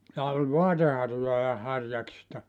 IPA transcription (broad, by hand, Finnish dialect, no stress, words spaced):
jɑ olʲ ʋoɑtehɑrjojɑ hɑrjɑksistɑ